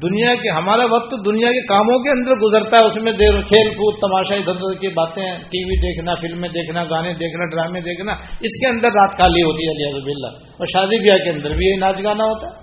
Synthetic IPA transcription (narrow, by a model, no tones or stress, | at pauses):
d̪ʊnijakeɦɐmaːɾaʋɐq̚t̪d̪ʊnijakekaːmõkeɐ̃nd̪əɾɡʊzəɾt̪aɦɛʊsmẽd̪eːɾk̪ʰeːlkuːt̪t̪ɐmaːʃaid̪ʱənd̪kibaːt̪ẽʈiːʋid̪eːkʰnafɪlmːẽd̪eːkʰnaɡaːned̪eːkʰnaɖɾaːmẽd̪eːkʰnaɪskeɐ̃nd̪əɾːaːt̪kaːliɦoːt̪iɦɛlɪabbɪla̰ | ɔːɾʃaːd̪ibijakeɐ̃nd̪əɾbʱijɐɦinaːd͡ʒɡaːnaɦoːt̪aɦɛː